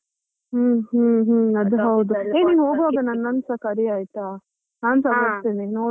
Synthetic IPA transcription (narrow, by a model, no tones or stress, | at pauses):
ɦ̩ːɦɦɐd̪uɦɐwd̪ueːniːnɦoːɡʋaːɡɐnɐnːɐnsɐkɐɾiaːjt̪aː | naːnsɐɡɐst̪eninoː